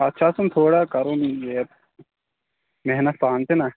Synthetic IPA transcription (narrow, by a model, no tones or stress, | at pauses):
ɐtːʃʰasunt̪ʰoːɽakɐɾonjeː | meɦnɐt̪̚paːnt̪ina